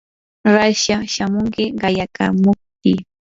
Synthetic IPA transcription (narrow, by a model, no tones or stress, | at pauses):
ɾaʃaʃamʊŋkɪɢɑjaka̰mʊk̚t̚ɪ